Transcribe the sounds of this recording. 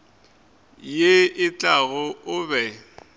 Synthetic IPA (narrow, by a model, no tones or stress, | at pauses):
jeɪt͡ɬʼaɣʊʊbɛ